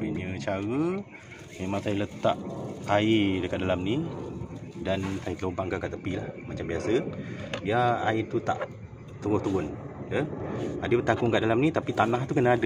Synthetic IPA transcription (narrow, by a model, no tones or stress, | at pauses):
biɲət͡ʃaɣə | memãŋsajlət̪aʔaidəkaʔ̪̚dalamni | dansajik̪əlobaŋkaʔkaʔt̪əpilahmat͡ʃambiasədiaait̪ut̪a̰ʔ | t̪uɣʊht̪uɣʊn | jəadəbət̪aŋkʊŋkaʔdalamnit̪apit̪anaht̪ukənaadə